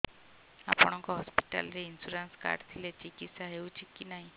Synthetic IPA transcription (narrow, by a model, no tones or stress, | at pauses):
a̰pɔɽ̃ɔŋkɔɦɔspi̥ʈa̰lɾeinsuɾanska̰ɾɖt̪ʰilet͡ɕikit̪saɦewt͡ɕikinaɦi